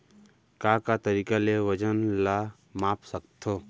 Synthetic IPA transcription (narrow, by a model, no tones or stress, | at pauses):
kaːkat̪əɾiːkaleʋəd͡ʒənla | maːpsək̚t̪ʰoː